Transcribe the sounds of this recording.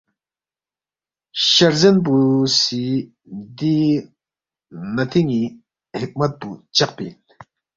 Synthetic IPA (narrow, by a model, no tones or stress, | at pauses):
ʃaɾzenpusi | d̪i | nat̪ʰiŋi | hek̚mat̪̚put͡ʃaq̚pin